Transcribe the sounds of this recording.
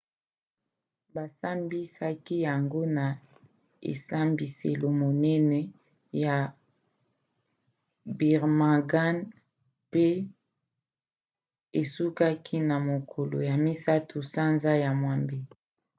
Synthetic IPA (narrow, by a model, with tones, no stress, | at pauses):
ba˨sa˦mbi˦sa˦ki˦ja˨ŋɡo˦na˨ | ḛ˨sa˦mbi˨sḛ˨lo˨mo˨nɛ˦nɛ˨ | ja˨ | bi˨ʁma˨ɡa˦n | pe˦ | e˨su˦ka˦kʰi˦na˨mo˨kʰo˨lo̰˨ja˨mi˦sa˦tʰu˨sa˦nza˦ja˨mwa˨mbi˦